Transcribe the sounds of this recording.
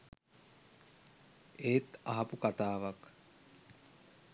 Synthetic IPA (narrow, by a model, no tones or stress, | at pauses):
eːt̪ɐɦɐpukat̪aːʋak